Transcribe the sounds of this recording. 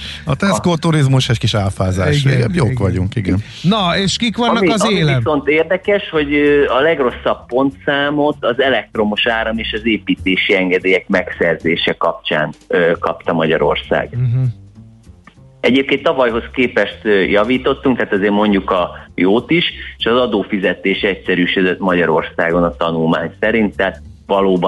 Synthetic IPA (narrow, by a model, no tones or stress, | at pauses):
ɒt̪ɛskoːt̪uɾizmuʃhɛckiʃaːlfaːza̰ːʃeɛbjoːkʋɒɟuŋkiɡɛn | nɒeːʃkikʋɒnnːɒkɒzeːliɛo̞nt̪eːrd̪ɛkɛʃho̞ɟɒlɛɡro̞sːɒppo̞nt̪saːmo̞t̪ɒzɛlɛk̚t̪ro̞moʃaːɾɒmeːʃɒzeːpiːt̪eːʃiɛŋɡɛd̪eːjɛkmɛksɛrzeːʃɛkɒp̚t͡ʃa̰ːnøkɒpt̪ɒmɒɟɒ̰ɾo̞̰rsa̰ːɡ | ɛɟeːp̚keːnt̪ːɒvɒjɦo̞skeːpɛʃt̪ːjɒviːt̪o̞t̪ːuŋk̚t̪aːt̪ɒzeːrmo̞ɲɟukɒjoːt̪iʃeːʃɒzɒd̪oːfizɛt̪eːʃɛcsɛɾyːʃød̪øt̪mɒɟɒɾo̞̰rsaːɡo̞nɒt̪ɒnulmaːɲsɛɾint̪ːaːt̪̚vɒloːbɒ